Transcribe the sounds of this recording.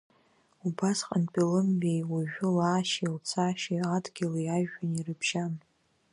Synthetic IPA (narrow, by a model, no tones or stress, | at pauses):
ubasqʼanpʼilɨmbejwaʒᶣʊlaːʃilt͡sʰaʃiadɡʲɪlajaʒᶣanirɨbʒ̥an